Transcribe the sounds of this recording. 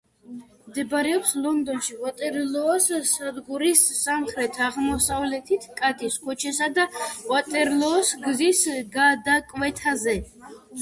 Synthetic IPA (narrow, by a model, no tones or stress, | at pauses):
md̪ɛbɾɛɔkʰslɔnd̪ɔnʃiʁat̪ʼɛɾlɔːssad̪ɡuɾisːamχɾɛt̪ʰaʁmɔsavlɛt̪ʰit̪ʰkʼat̪ʰiskʰɔt͡ʃʰɛsad̪awat̪ʼɛɾlɔːsɡzisɡad̪akʼvɛt̪ʰazɛ